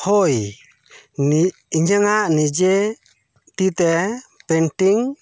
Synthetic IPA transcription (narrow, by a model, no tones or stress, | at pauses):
hɔj | n | iɲəŋaʔnid͡ʒɛ | t̪it̪ɛpɛnʈiŋ